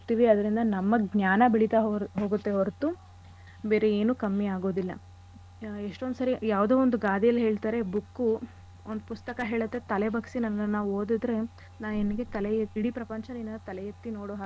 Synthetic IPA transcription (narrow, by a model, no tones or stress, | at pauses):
t̪iːʋiɐd̪ɐɾind̪ɐnɐmːɐɡɲjaːnɐbiɭit̪aɦoːɡut̪ːeʋoɾt̪ːu | be̞ːɾeeːnukɐmːiaːɡo̞ːd̪ilːɐ̰ | eʂʈond̪sɐɾijaːʋd̪oːond̪uɡaːd̪ijɐlɦe̞ːɭt̪aːɾe̞bukːu | ond̪upust̪ɐkɐɦe̞ːɭɐt̪ːe̞t̪ɐlebɐksinɐnːɐnːaːʋuoːd̪id̪ɾe̞ | naːʋeniɡe̞t̪ɐleeiɽipɾɐpɐɲt͡ʃɐnenɐɐt̪ɐlɛjet̪ːino̞ːɽoːɦaː